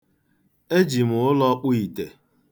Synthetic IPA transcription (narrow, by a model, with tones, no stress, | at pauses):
e˦d͡ʒi˨mʊ˨ʊ˦lɔ˦k͡pʊ˦i˨te˨